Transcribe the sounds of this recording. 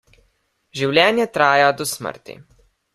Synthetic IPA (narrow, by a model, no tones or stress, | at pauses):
ʒiwlʲɛːnjɛt̪ɾaːjɛd̪ʊsmə̰ɾt̪ʲḭ